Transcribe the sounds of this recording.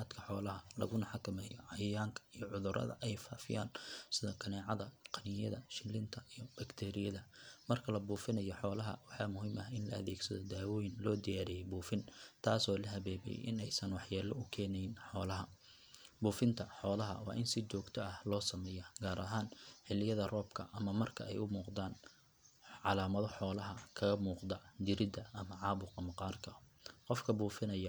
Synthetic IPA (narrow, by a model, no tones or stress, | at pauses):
aːd̪kʰɐħɔːlɐɦɐlɐ̰ɣʊnɐħɑkʰɐmɛːjʕɑjjaːŋkʰɐ̥ijɔʕʊðʊɾʔɐ̰ðɐ̰ʔɛjfaːfɪ̰ja̰ːnsɪðɔkʰɐnɛːʕɑðɐqɑnɪjɐðɐʃɪlɪnt̪ʰɐʔijɔbɐkt̪ʰɛːɾɪjɐðɐmɐrkʰɐlɐbuːfɪnɐjɔħɔːlɐɦɐ̰wɑħɑːmʊɦiːmɐɦɪnlɐ̰ɐðɛːɡsɐðɔd̪aːwɔːjɪnlɔːd̪ɪjaːɾɛjɛbuːfɪnt̪ʰaːsɔːlɐɦɐβɛːβɛ̰j̰ʔɪ̰nɛjsɐnwɑħjaːlɔʊkʰɛːnɛjɪnħɔːlɐɦɐ | buːfɪnt̪ʰɐħɔːlɐɦɐ̰wɑ̰ːʔɪnsɪt͡ʃɔːɡt̪ʰɔʔɐhlɔːsɐmɛːjɐɡaːɾʔɐɦaːnħɪlɪjɐðɐrɔːbkʰɐʔɐmɐmɐrkʰɐ̰ɛ̰jʊmuːqd̪aːn | ʕɑlaːmɐðɔħɔːlɐɦɐkʰɐɣɐmuːqd̪ɐd̪ɪɾɪd̪ɐɐmɐʕɑːβʊqɐmɐqɑːrkʰɐ | qɔfkʰɐbuːfɪnɐjɐ